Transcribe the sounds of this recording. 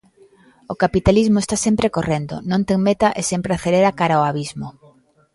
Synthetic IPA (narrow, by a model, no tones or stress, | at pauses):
okapit̪alizmoest̪asempɾekorend̪o̰nõnt̪eŋmet̪aʔesempɾeaθeleɾakaɾaoaβizmo